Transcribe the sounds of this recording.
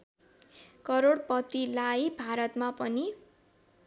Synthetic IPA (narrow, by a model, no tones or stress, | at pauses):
kʌɾoɽpʌt̪ilajbʱaɾʌt̪mapʌni